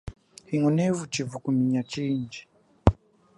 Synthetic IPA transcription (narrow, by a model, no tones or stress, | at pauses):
hiŋɔnɛvut͡ʃivukumiɲat͡ʃind͡ʒi̥